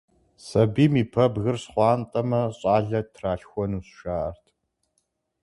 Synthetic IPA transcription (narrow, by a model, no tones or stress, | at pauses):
sɐbiːmiːpʰɐbɣɨrsχʷɑːntʼɐmɐɕʼɑːɮɐtʰraːɬxʷɔnuːsʃaːʔɐrtʰ